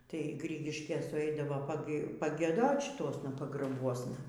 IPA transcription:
tɐɪ ˈɡrʲɪɡʲɪʃʲkʲeːs sʊˈɛɪdɐʋoː pɐɡʲiɛˈdoːt ʃʲɪˈtuɔsnɐ pɐɡrɐˈbuɔsnɐ

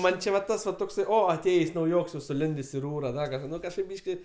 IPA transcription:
ˈmɐnʲ t͡ʃʲɪ ʋɐ ˈtɐs ʋɐ toːkˈsɐɪ ˈoː ɐˈtʲeːjeːsʲ nɐʊˈjoːks jɛʊ sʊˈlʲɪnʲdʲeːsʲ ɪ ˈruːrɐ ˈdɐ kɐʃˈkɑː ˈnʊ kɐʃˈkɐɪp ˈbʲiːʃʲkʲɪ

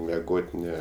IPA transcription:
mʲɛˈɡoːtʲ ˈnʲɛ

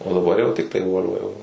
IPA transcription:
oː dɐˈbɐr jɛʊ ˈtʲɪktɐɪ ˈʋoːlʲʋɐ jɛʊ

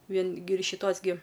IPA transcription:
ˈʋʲiɛn ɡʲɪ ɪr ʃʲɪˈtoːs ɡʲɪ

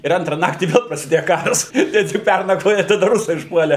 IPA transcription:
ɪr ˈɐntrɐ ˈnɑːktʲiː ˈʋʲɛlˠ prɐsʲɪˈdʲeːjɛ ˈkɑːrɐs ɪr tʲɪk ˈpʲærnɐkʋoːjɛ ɪ tɐˈdɐ ˈrʊsɐɪ ʊʃˈpuɔlʲeː

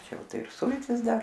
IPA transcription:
ˈt͡ʃʲɛ ˈjɛʊ ˈtɐɪp ˈsʊlʲtʲɪs ˈdɐr

